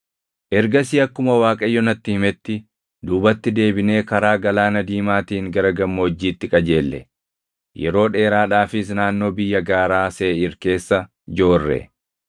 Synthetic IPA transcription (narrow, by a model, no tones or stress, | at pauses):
ʔɛɾɡɐsɪɐkːʊmɐwaːkʼɐjːɔnɐt̪ːɪhɪmɛt̪ːɪ | d̪uːbɐt̪ːɪd̪e̞ːbɪne̞ːkɐɾaːɡɐlaːnɐd̪iːmaːt̪iːŋɡɐɾɐɡɐmːoːd͡ʒːiːt̪ːɪkʼɐd͡ʒe̞ːlːɛ̰ | jɛ̰ɾo̞ːᶑe̞ːɾaːᶑaːfɪs̬naːnːo̞ːbɪjːɐɡaːɾaːseːɪɾke̞ːsːɐ | d͡ʒo̞ːrːɛ̰